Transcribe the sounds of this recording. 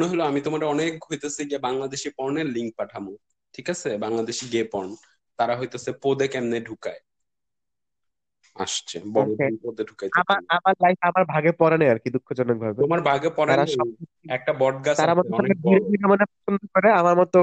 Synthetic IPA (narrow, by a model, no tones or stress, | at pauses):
noɦɔloamit̪omaɾeɔnekɦojt̪esʰiɡebaŋlad̪eʃipɔɾneɾliŋk̚paʈʰamo | ʈʰikat͡ɕʰebaŋlad̪eʃiɡepɔɾn | t̪aɾaɦojt̪osʰepod̪ekɛmneɖʱukae | a̰ʃt͡ɕʰḛbɔepod̪eɖʱukajamaɾamaɾlajfamaɾbʱaɡepɔɾaneaɾkid̪ukʰːod͡ʑɔnek̚bʱabeomaɾbʱaɡepɔɾaaɾaʃɔb̚o | ɛk̚ʈabɔɖ̚ɡasaɾamɔt̪oebʱiɾebʱiɾemanepɾɔt͡ɕʰond̪ʱokɔɾeamaɾmɔt̪o